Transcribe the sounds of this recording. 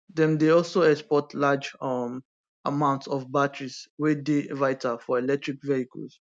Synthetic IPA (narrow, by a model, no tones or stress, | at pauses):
d̪ɛ̃mdeɔlsoɛkspɔtlad͡ʒam | amãʊ̃ntsɔvbatɹiswɛdevaɪtafɔɛlɛk̚tɹikvehikə̰ls